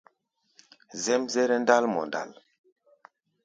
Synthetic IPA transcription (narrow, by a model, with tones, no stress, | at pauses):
zɛ˦mzɛ˦ɾɛ˦n˦da˦lmɔ̰˨nda̰˦˨l